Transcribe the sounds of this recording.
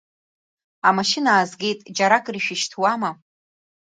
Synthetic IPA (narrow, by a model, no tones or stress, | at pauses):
amaʃɪnaːzɡʲe̞jtʼd͡ʒaɾakʼriʃᶣɪʃtʰwama